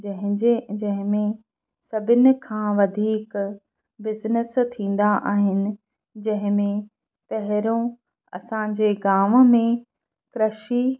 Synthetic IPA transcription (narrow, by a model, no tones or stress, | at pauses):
d͡ʑɐ̃ɦɪ̃d͡ʑed͡ʑɐ̃ɦɪ̃mẽ | sɐbʱɪnɪ̆kʰãːʋɐd̪ʱiːk | bɪznəst̪ʰĩːn̆d̪aʔaːɦɪnɪ̆ | d͡ʑɐ̃ɦɪ̃mẽ | pɐɦɪɾõ | ɐ̰sãd͡ʑeːɡaːmmẽ | kɾɐʃi